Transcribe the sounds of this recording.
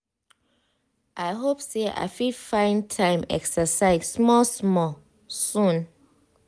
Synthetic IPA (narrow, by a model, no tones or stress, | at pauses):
ʔaɪɦopseʔa̰jfifãɪ̃ntʰãɪ̃mɛ̰ksəsaɪzsmɔsmɔ | sũn